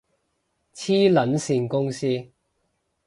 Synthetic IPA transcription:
t͡sʰiː˥lɐ˨˥nsiː˨˧nkʊ˥ŋsiː˥

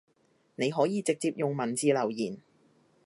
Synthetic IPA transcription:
ne˨˧jɦɔː˨˥jiː˨˧t͡sɪ˨k̚t͡siː˧p̚jʊ˨ŋmɐ˨˩nt͡siː˧lɐ˨˩wjiː˨˩n

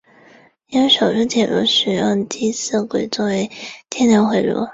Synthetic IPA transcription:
i˥nwe˧˥ɪʂo˨˩ʊʈ͡ʂ̩˥t͡ɕjɛ˨˩lṵ˥ʂ̩˨˩jɑ˥˩ŋt͡ɕi˥s̩˥˩kwe˨˩ɪt͡swɔ˥˩we˧˥ɪt̪ʰjɛ˥njə˧˥nxwe˧˥ɪlɔ̰˥

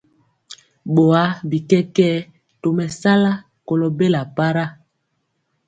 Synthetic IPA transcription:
ɓo˨a˦bi˨kɛ˦kɛ˦ | to˨mɛ˨sa˦la˦ | ko˨lo˨be˦la˨pa˦ɾa˦

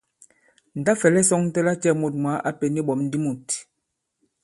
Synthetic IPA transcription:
n̩˨da˦fɛ˨lɛ˦sɔ˦ŋn˦tɛ˦la˦t͡ʃɛ˦˨mo˨t̚mwa˨˦ʔa˦pe˨ni˦ɓɔ˨˦mn̩˦di˦mu˨t

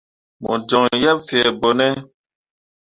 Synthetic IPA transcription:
mṵ˨d͡ʒɔ˨ŋjɛ˦p̚fɛ˨bo˨nɛ˦

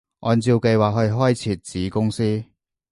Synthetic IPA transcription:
ʔɔː˨nt͡si˧wke˧jwaː˨k̚ɦhɵ˧ɥɦɔː˥jt͡sʰiː˨˧t̚t͡siː˨˥kʊ˥ŋsiː˥

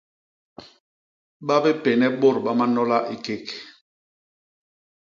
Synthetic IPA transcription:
ɓa˦be˦pɛ˨nɛ˦ɓo˦˨ɾɓa˦ma˦nɔ˦la˦ʔi˨ke˦˨k

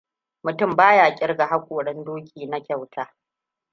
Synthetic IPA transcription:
mʊ˨tʊ˦˨mbaː˦jaː˨kʲʼɪ˦rɡa˨ɦa˦kʷoː˨ɽɛ˦ndoː˦kʲiː˨na˦kʲɐ˨wtʰaː˦

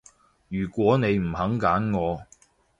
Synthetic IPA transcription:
jyː˨˩kʷwɔː˨˥ne˨˧jm̩˨˩hɐ˨˥ŋkaː˨˥nŋɔː˨˧

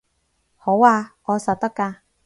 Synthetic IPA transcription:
ho˨˥waː˧ʔɔː˨˧sɐ˨t̚t̪ɐ˥kːaː˧

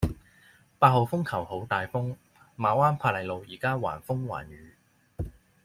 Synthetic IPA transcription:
paː˧t̚ho˨˧wfʊ˥ŋkʰɐ˨˩who˨˥wt̪aː˨jfʊ˥ŋ | maː˨waː˥npʰaː˧˥lɐ˨˧jlo˨wjḭː˨˩kaː˥wa̰ː˨˩nfʊ˥ŋwa̰ː˨˩nɥyː˨˧

